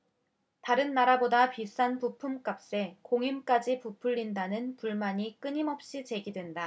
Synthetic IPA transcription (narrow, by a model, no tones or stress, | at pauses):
taɾɯnːaɾabodapis͈anpupʰumk͈ap̚s͈e̞koŋimk͈ad͡ʑipupʰuʎːindanɯnpuɭmaɲik͈ɯɲimʌp̚ɕ͈it͡ɕe̞ɡidwe̞nda